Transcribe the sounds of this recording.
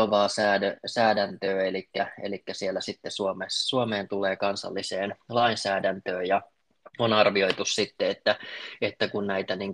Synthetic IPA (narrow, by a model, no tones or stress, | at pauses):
oʋɑːsæːdøsæːdænt̪øːelikːæḛlikːæsielːˑæsit̪ːesuomessuomeːnt̪ulˑeːkɑnsɑ̰lːiseːnlɑinsæːdænt̪øːjjɑ | onɑrʋio̞it̪ussit̪ːeet̪ːæet̪ːækunnæit̪æniːŋ